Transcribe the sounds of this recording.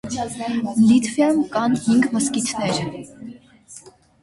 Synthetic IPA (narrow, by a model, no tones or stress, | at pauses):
lit̪ʰvjamkɑnhiŋɡməskit͡sʰnɛɾ